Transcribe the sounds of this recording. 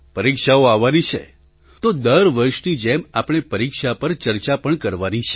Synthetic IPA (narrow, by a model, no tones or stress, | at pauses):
pəɾikʃaoaʋːanit͡ʃʰḛ | t̪od̪əɾʋəɾʃnid͡ʒemapɳ̃epəɾikʃapəɾt͡ʃəɾt͡ʃapəɳkəɾʋanit͡ʃʰe